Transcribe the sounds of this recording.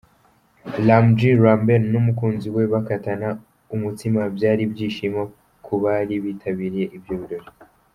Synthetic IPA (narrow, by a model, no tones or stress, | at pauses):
lamd͡ʒiɾambennumukuːnziwe̞βakatana | umutimabjaːɾibɟiːʃima | kʰuβaːɾiβiːtʰaβiːɾije̞ʔibjoːβiɾo̞ɾi